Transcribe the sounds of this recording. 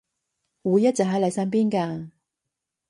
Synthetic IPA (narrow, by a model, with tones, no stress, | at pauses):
wuː˨˧jːɐ˥t̚t͡sɐ˨˩ɦɐ˨˥jlɐ˨˧jsa˥np̬iː˥nkaː˧